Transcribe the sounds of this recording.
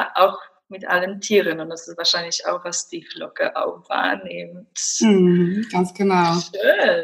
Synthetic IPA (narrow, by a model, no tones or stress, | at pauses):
ʔaʊx | mɪtʔa̰ləntʰiːʁənʊntd̥asɪstvaːɐʃaɪnlɪça̰ʊxv̥asd̥iːflɔkə̰ʔa̰ʊxv̥a̰ɐnɪmt̩hm̩ɡ̥ansɡ̥ənaø